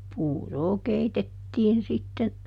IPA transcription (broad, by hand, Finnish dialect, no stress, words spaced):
puːroː keitetːiːn sitːen